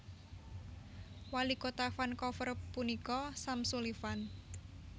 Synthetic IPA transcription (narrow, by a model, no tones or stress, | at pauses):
walikot̪afankɔfərpunikɔsamsulifan